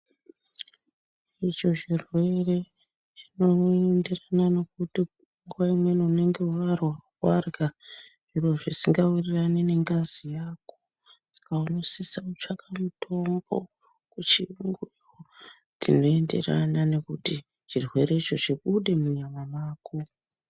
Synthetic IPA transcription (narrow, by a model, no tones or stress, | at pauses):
it͡ʃo̞ʐirwe̞re̞ | t͡ʃinoende̞ranane̞k̚uti | ŋɡuʋaimwe̞noune̞ŋɡe̞warwawarɡaʐirwoʐisiŋɡawiriranine̞ŋɡazijaːko̥ | sḁkauno̞sisaut͡ʃakamutʰo̞mɡo̞̰ | kut͡ʃiŋɡwi | o | tino̞e̞nde̞̰ra̰nane̞kuti | t͡ʃirwe̞ɾe̞it͡ʃo̞ʐiɓuɗe̞muɲamamaːko